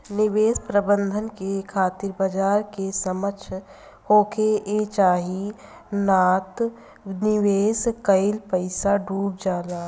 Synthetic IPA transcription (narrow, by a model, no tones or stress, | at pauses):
nɪʋeːspɾəbə̃nd̪ʱənkekʰaːt̪ɪɾbəd͡ʒaːɾkesəmət͡ʃʰ | hoːkʰeet͡ʃaːɦi | naːt̪ | nɪʋeːskəɪlpəɪsaɖʱuːp̚d͡ʒaːlaː